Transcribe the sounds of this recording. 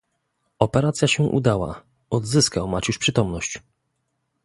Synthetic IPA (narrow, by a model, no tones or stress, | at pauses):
ɔpɛɾat̪sʲjaɕɛʔṵd̪awa̰ | ɔd̪zɘskawmat͡ɕuʂpʂɘt̪ɔmnɔɕt͡ɕ